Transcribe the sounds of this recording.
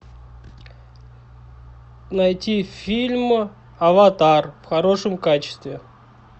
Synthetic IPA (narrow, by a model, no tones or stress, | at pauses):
nɐjtʲifʲilʲmɨ | ɐvɐt̪arfxɐɾo̞ʂɨmkat͡ɕɪ̥st̪vʲɪ